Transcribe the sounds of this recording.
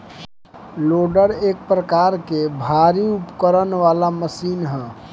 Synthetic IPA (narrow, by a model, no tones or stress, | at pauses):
loːɖəɾeːk̚pɾəkaːɾkebʱaɾiupkəɾənʋaːlaməsiːnɦə̃ː